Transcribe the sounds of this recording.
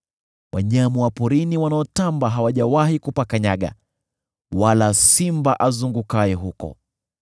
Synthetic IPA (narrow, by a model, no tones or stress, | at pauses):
wʔa̰ɲamuwapɔɾiniwanaɔtambaɦawaʄawahikupakaɲaɠa̰ | walasimbaʔazuŋɡukajɛɦukɔ̰